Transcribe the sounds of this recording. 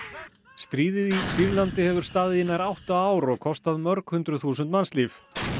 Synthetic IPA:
st̪ɾiːðɪðisiɾlant̪ɪhɛvʏɾ̥st̪aːðjɪnaɾawht̪aaːwɾɔɣkʰɔst̪aðmœɾkhʏnt̪ɾʏθuːsʏnt̪manst̪lif

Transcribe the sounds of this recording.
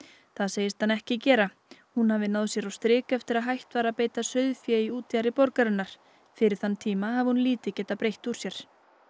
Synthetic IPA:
θaðseːjɪst̪hanːɛhcɪcɛːɾa | hunhavɪnaːwðsjɛɾawst̪ɾɪːkɛft̪ɪɾaðɦajht̪vaːɾaðpejt̪asœɥðfjɛiuːt̪jaɾɪpɔɾkaɾɪnːaɾ̥ | fɪɾɪɾ̥θanːt̪ʰiːmahavɪhunliːt̪ɪcɛːt̪apɾejht̪uɾ̥sjɛɾ̥

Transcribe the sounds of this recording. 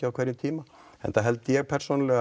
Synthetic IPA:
ɪawkʰvɛːɾjʏmt̪ʰiːma | ɛ̰nt̪aɦɛlt̪ɪjɛɣpʰɛɾ̥soːnlɛɣa

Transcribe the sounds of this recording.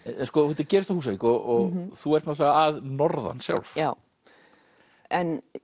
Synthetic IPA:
ɛnskɔhɛt̪ɪɾcɛːɾɪst̪θahuːsaviːkɔʔɔɣθuɛɾ̥t̪nat̪laɣaaðnɔɾða̰nsja̰wlfjaw | ɛn

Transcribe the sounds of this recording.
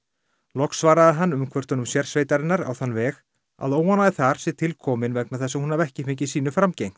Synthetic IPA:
lɔksvaːɾaðɪɦanːʏmkʰvœɾ̥t̪ʏnʏmsjɛɾ̥sveːjt̪aɾɪnːaɾa̰wθanːvɛːx | a̰ðoːwanaðɪθaɾ̥sɪt̪ʰɪlkʰɔːmɪnvɛknaθɛsːahunavɛhcɪfɪɲc̬ɪsiːnʏfɾamcejŋ̥t̪

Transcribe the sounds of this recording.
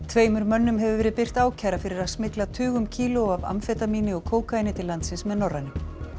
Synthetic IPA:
t̪ʰveːjmʏɾmœnːʏmɦɛvʏvɛːɾɪðpɪr̥t̪aːwcʰaɾafɪɾɪɾaðsmɪklaðt̪ʰʏːɣʏmcʰiːlʊava̰mfɛt̪amiːnɪɔɣkʰoːwkajnɪt̪ʰɪlːant̪sɪnsmɛðnɔrːanʏm

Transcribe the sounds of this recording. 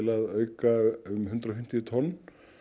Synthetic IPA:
laðœːɥkaʏmɦʏnt̪ɾaɔfɪm̥t̪ɪt̪ʰɔnː

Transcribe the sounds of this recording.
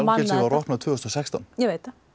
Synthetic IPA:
lɪlsɪvarɔht̪naðt̪v̥ʏːʏst̪ɔsɛkst̪ɔ̰njɛveːjt̪a

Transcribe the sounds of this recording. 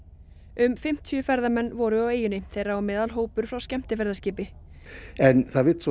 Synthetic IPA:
ʏmfɪm̥t̪ʰjʏfɛɾðamɛnːvɔɾʏaweːjʏnɪθejɾaɔmɪːðalɦoːwpʏɾ̥fɾawscɛm̥t̪ɪfɛɾðascɪːpɪ | ɛnθaðvɪt̪s

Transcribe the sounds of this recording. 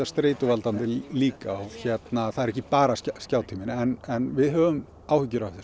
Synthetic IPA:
ast̪ɾeːt̪ʏvalt̪ant̪ɪliːkaːwçɛt̪naθaðɛɾɛhçcːɪpaːɾasscaːwt̪ʰimɪnɛnɛnvɪðɦœːvʏm | aːwhʏcːɪɾawθs

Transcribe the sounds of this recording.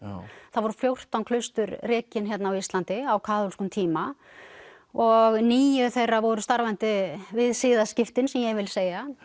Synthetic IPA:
θaðvɔɾʏfljowr̥t̪awnkʰlœɥst̪ʏɾrɪːcɪnçjɛt̪naːawist̪lant̪ɪawkʰaːðulskʏnt̪ʰiːma | ɔɣniːjʏθejravɔɾʏst̪aɾvɛnt̪ɪvɪðsɪːðascɪft̪ɪnsɛmjɛɣvɪlseːja

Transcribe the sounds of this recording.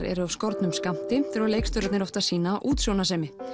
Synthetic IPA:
ɾɛ̰ɾʏavskɔɾt̪nʏmskam̥t̪ɪθɛɾvawlejkst̪œɾat̪nɛɾɔft̪asiːnaʔuːt̪sjownasɛːmɪ

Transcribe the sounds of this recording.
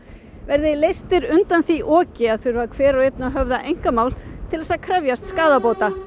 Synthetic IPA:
vɛɾðɪlejst̪ɪɾʏnt̪anθiʔɔːcɪaðθʏɾvaɾkʰvɛːɾawet̪̚naɦœvðaʔejŋ̥kamaːwlt̪ʰɪlɛsaðkʰɾœvjast̪skaːðapoːwt̪a

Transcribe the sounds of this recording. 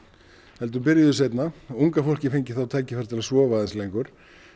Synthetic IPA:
hɛlt̪̬ʏmpɪɾjðʏs̬ejt̪nauŋkafol̥cɪfejɲcɪ̥θawt̪ʰaːjcɪfɛɾ̥t̪ʰɪlasvɔːvaɛnslejŋkʏɾ̥

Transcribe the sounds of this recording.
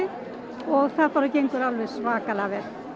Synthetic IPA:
ɪ | ɔɣθaðfaɾacejŋkʏɾalvɛðsvaːkalavɛɾ̥

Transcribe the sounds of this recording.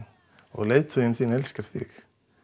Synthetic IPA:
ɔ̰ɣleːjt̪ʰʏjɪnθiːnɛlscaɾ̥θɪ̰x

